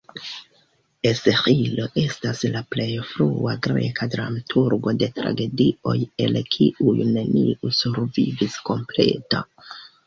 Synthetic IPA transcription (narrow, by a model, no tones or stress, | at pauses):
esehilo̞ʔe̞staslaple̞jfɾuaɡɾe̞̰kadɾamatʰuɾɡo̞de̞tɾa̰ɡe̞dio̞̰je̞lkʰiʔujune̞niʔusuɾvivisko̞mple̞̰ta